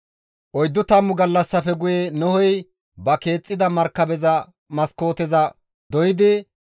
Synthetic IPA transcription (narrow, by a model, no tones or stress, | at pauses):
ʔɔjd̪ːʊt̪ɐmːʊɡɐlːɐsːɐfɛɡʊjenɔhɔj | bɐke̞ːt͡sʼːɪd̪ɐmɐɾkːɐbɛzɐ | mɐsko̞ːt̪ɛzɐ | d̪ɔjɪd̪ɪ